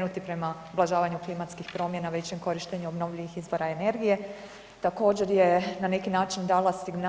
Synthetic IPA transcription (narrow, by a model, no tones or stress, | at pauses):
nut̪ipɾe̞maoblˠaʒaːʋaɲuklimat̪skixpɾo̞mje̞naʋet͡ɕemko̞ɾiʃt̪eɲuobno̞ʋʎiʋixizʋo̞ɾaene̞ɾɡije̞ | t̪ako̞ːd͡ʑe̞ɾje̞nane̞kinaːt͡ʃind̪aːlasiɡn